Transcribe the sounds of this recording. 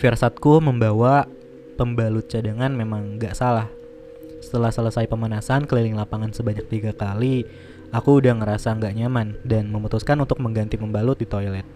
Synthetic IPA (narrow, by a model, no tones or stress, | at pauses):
firsat̪̚kuməmbawa | pəmbalʊt̪̚t͡ʃadaŋanmemaŋɡaʔsalah | sə̥t̪əlahsələsajpəmanasankəlilɪŋlapaŋansəbaɲak̚t̪iɡakali | akuːdahŋəɾasaŋɡaʔɲamandanməmut̪uskanunt̪ʊk̚məŋɡant̪ipəmbalʊt̪̚dit̪ojlɛt̪̚